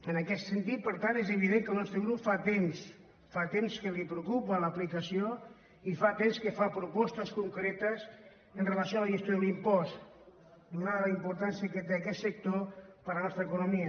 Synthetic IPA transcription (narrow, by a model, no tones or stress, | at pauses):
ənəkɛst̪sənt̪it̪̚pəɾt̪anezəβ̞iðeŋkəlˠnɔst̪ɾəɣɾupfat̪ems | fat̪emskəlipɾəukupələplikəsio | ifat̪emskəfapɾupɔst̪əskuŋkɾɛt̪əs | ənrəlɐəsjoaləʒəst̪joðlimpɔst̪ | d̪unaðələimpuɾt̪ansiəkət̪eɐkɛt̪sək̚t̪opəɾənɔst̪ɾəkunumiə